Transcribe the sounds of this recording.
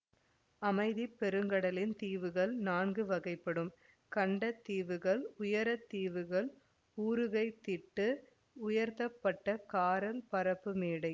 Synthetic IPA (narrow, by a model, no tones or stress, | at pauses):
ɐmɐɪðipːɛɾɯŋɡɐɽɐlɪnt̪iːʋɯɣɐɭnaːnɡɯʋɐɣɐɪpːɐɽɯm | kɐɳɖɐt̪ːiːʋɯɣɐɭʊjɐɾɐt̪ːiːʋɯɣɐɭ | uːɾɯɣɐɪt̪ːɪʈːɯ | ʊjɐɾt̪ɐpːɐʈːɐkaːɾɐlpɐɾɐpːɯmeːɽɐɪ